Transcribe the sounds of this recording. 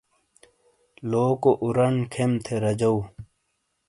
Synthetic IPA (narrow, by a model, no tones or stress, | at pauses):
loːkoʔuɾɐnkʰemt̪ʰeɾɐd͡ʑɐw